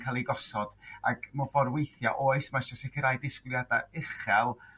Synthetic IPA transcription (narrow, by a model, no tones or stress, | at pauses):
kʰalˠiɡɔsɔd̥a̰ɡmɔvɔɾwejθja̰ʔoːɨsmaʃɔsɪkʰɪɾajdɪskwlˠjadaɪχɛlˠ